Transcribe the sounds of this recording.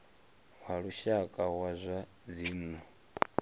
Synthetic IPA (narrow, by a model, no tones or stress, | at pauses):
ɦaɺuʃakʼawazʷa | d͡ziːnɔ